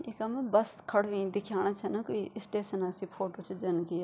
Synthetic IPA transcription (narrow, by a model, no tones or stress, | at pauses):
ɪkɐmbɐskʰɐɽ̤ʋĩːd̪ɪkʰjaːɽ̃at͡ʃʰɐnɐkuiɪsʈeːsənasipʰoːʈoːt͡ʃd͡ʒɐnki